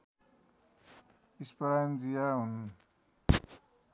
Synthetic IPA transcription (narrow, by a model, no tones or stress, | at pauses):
ispʌɾand͡zijaɦun